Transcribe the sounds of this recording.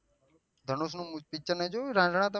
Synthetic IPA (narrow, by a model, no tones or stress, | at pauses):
d̪ʱənoːsnũːpɪk̚t͡ʃəɾned͡ʒoːɾãːd͡ʒɳãːt̪a